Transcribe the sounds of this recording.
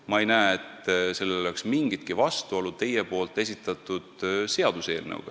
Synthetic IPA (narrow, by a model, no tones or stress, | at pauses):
mɑe̞jnæːet̪ːˑse̞lːeoleksmiŋɡ̥it̪̚kivɑst̪uolut̪e̞jepo̞ːlt̪ːˑe̞s̬it̪ˑːɑt̪ːˑud̪̥se̞ɑd̪̥use̞̰ːlnɤ̰w̰ɡ̥ɑ̰